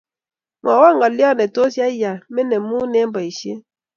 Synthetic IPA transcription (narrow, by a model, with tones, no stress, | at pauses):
mɔ˨wɔ˦ŋ˨ɡɔ˨li˦ɔ˦˨ne˨to˦sja˦i˦ja˨me˦ne˨˦mu˦ne˦m̩˦bɔ˨i˨ʃje˦